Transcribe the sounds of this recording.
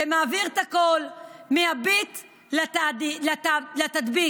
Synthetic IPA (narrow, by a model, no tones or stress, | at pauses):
emaːviʁt̪akolmeabit̪ | lat̪adilatlat̪at̪bi